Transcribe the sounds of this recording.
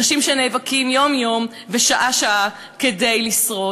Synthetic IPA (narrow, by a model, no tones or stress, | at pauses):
aʃimʃenejvakimjo̞mjo̞m | veʃaʔaʃaʔa | kede̞jlisʁo